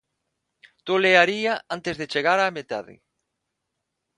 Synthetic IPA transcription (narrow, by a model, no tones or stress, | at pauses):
t̪oleaɾiaʔant̪ezðet͡ʃeɣaɾaːmet̪a̰ðɪ̰